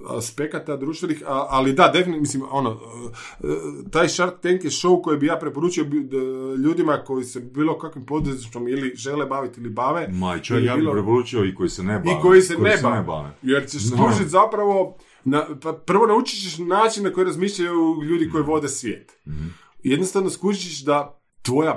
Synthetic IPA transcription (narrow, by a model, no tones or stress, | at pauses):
a̰spe̞kat̪ad̪ɾuːʃt̪ʋenixaalid̪ad̪efinmislimo̞no | t̪aːjʃaɾt̪ːeŋkjeʃo̞uko̞jebijaːpɾepo̞ɾuːt͡ʃiobʎuːd̪imako̞jise̞biːlˠo̞kakʋimpo̞d̪ɾuzit͡ʃomiliʒe̞lebaʋit̪ilibaːʋemajt͡ʃjaiːlloɾepoɾut͡ʃioikojisenebikojisennebaba̰ʋḛjeɾt͡ɕeʃkuʒit̪ʲzapɾaʋo̞ | napapr̩ʋo̞naut͡ʃi̥t͡ɕeʃnaːt͡ʃinnako̞jiɾazmiːʃʎajuʎuːd̪iko̞jiʋo̞d̪esʋjeːt̪ | jed̪nost̪aʋnoskuʒit͡ɕiʃd̪a | t̪ʋo̞ja